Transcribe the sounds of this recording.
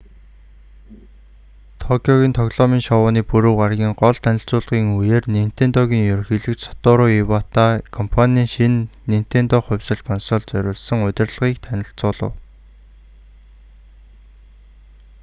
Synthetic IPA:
t̪ʰɔkʲʰɔɣʲiːnt̪ʰɔɣɮɔːmiːŋʃɔwʊːniːpuɾŭwɢarɣʲiːŋɢɔɮt̪ʰænʲɪ̆ɬt͡sʊːɮʁiːŋujeːrnem̥t̪eːnt̪ɔːɣʲiːŋjɵɾ̆xiːɮɘ̆kt͡ɕsɔ̥t̪ʊːɾʊːiwat̪aːkʰɔmpʰanʲiːŋʃinːem̥t̪eːnt̪ɔːχʊ̟wʲsə̆ɮkʰɔnsɔɮt͡sœɾʲʊːɮsɞ̆ŋʊt̪ʲɪ̆rɮʁiːk̚t̪ʰænʲɪ̆ɬt͡sʊːɮə̰̆w

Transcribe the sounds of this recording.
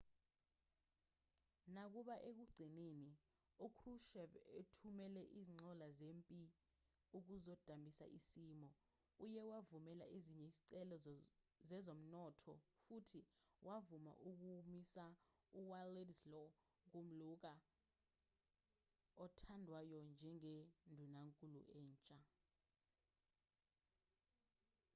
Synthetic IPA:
nak̬uɓaʔek̬uɡ͡ǀʱineni | ukʰruʃɛvetʰumɛlɛʔiːziŋ͡ǀʱɔlazeːmpʼi | uk̬uzɔd̥ʱambʱisa̰ʔisiːmɔ | ujɛwavumɛla̰ʔiziɲɛiziǀɛlɔ | zɛzom̩nɔtʰɔ̰futʰiwʔavuma̰ʔuk̬umisa | uwalɛdlɔ | k̬um̩luk̬a | ɔtʰandʱwajɔnd͡ʒʱɛŋendʱunaŋkʼulṵʔɛːnt͡ʃʼa

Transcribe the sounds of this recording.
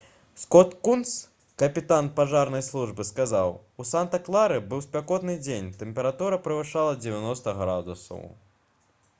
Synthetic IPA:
skɔt̪kunt̪s | kɐpʲit̪anpaʐarnɐjslˠuʐbɨskazawusant̪ɐklˠaɾɨbɨwspʲakɔt̪nɨd͡zʲenʲt̪ɛmpʲɛɾat̪uɾɐpɾɨvɨʂalˠɐd͡zʲɛvʲanɔst̪ɐɣɾad̪ṵsɐ̰w

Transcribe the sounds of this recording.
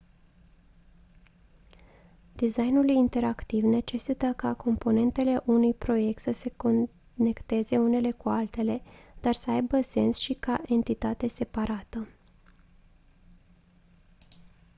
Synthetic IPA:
d̪izajnulujint̪e̞ɾakt̪ivne̞t͡ʃe̞sit̪əkako̞mpo̞ne̞nt̪e̞le̞ʔunujpɾo̞je̞k̚t̪səse̞ko | ne̞kt̪e̞ze̞une̞le̞kualt̪e̞le̞d̪̥arsəajbəse̞̰nsʃikaʔe̞nt̪it̪at̪e̞se̞paɾat̪ə

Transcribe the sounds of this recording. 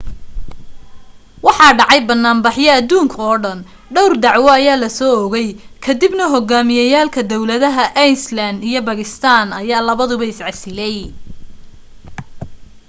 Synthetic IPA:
wɑħɑːɖɑʕɑjbɐnːaːmbɑħjɐɐd̪uːŋkʰɔːɖɐn | ɖɔwrd̪ɑʕwɔɐjaːlɐsɔːɔɣɛjkʰɐd̪ibnɐɦɔɡaːmɪjɐjaːlkʰɐd̪ɔwlɐðɐɦɐʔɛjnsland̪ijɞbɐɣɪst̪ʰaːnɐjaːlɐβɐðʊβɐɪsʕɑsɪlɛj

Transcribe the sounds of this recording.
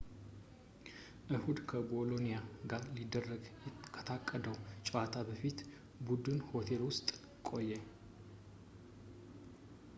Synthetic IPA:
ʔɨhud̪kʰəbo̞lo̞nijaɡaɾlid̪ːərːəɡkʰət̪ʰakʼːəd̪əwt͡ʃʼat̪ʰabəfit̪ | bud̪ɨnho̞t̪ʰe̞lwʊst̪ʼ | kʼo̞jːɛ

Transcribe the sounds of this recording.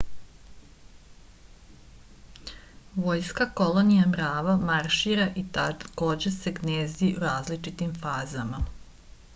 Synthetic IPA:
ʋo̞ːjskako̞lo̞nijamɾaːʋamaɾʃiːɾaʔit̪ako̞ːd͡ʑe̞se̞ɡneːziʔuɾaːzlit͡ʃit̪imfaːzama

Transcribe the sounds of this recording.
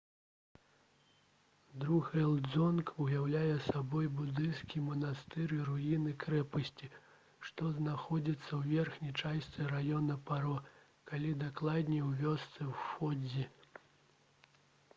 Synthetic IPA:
d̪ɾuɣɛlˠd̪zɔnkujawlʲajɛsabɔjbud̪ɨnskʲimɐnast̪ɨɾiɾujinɨkɾɛpɐsʲt͡sʲi | ʂt̪ɔznaxɔd͡zʲit̪sːɐwvʲɛrxnʲijt͡ʂasst̪sɨɾajɔnɐpaɾɔ | kalʲid̪aklˠad̪ʲnʲiwvʲɔst̪sɨwfɔd͡zʲi

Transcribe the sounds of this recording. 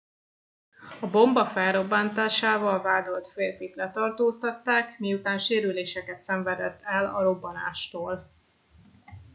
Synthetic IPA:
ɒbo̞mbɒfɛlɾo̞bːaːnt̪aːʃaːvɒlvaːd̪o̞lt̪feːrfit̪lɛt̪ɒrt̪oːst̪ɒt̪ːaːkmiut̪aːnʃeːɾyleːʃɛkɛt̪sɛɱvɛd̪ɛt̪ːɛlɒ̰ɾo̞bːɒna̰ːʃt̪oːl

